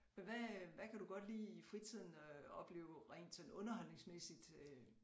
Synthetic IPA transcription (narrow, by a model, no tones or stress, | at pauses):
menʋæʋækʰæd̥uɡ̥ɒ̽d̥liːifʁit͡sʰið̞̰ˠn̩ɒ̽b̥le̝̰ːʊʁɛɪ̰nd̥sɔ̽nɔ̽nɐɦɒ̽l̰ne̝ŋsmesid̥ø